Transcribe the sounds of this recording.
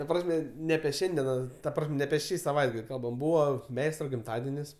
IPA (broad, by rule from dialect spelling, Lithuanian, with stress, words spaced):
tɐ ˈprɑːsʲmʲɛ nʲɛ ɐpʲiɛ ˈʃʲɛnʲdʲiɛnɐ tɐ ˈprɐsʲmʲ nʲɛ ɐpʲiɛ ˈʃʲiː sɐˈʋɐɪdɡɐlʲ ˈkɐlˠbɐm ˈbuːʋɐ ˈmʲɛɪstrɐ ɡʲɪmˈtɑːdʲɛnʲɪs